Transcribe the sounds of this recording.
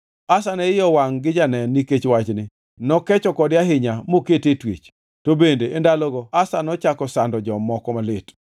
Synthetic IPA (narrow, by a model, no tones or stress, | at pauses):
asanɛɪjɔwaŋɡɪd͡ʒanɛnːiket͡ʃwat͡ʃnɪ | nɔkɛt͡ʃɔkɔdɪjaɦɪɲamoketetwet͡ʃ | tobendeʔendalɔɡɔasanɔt͡ʃakɔsandɔd͡ʒɔmɔkɔmalɪt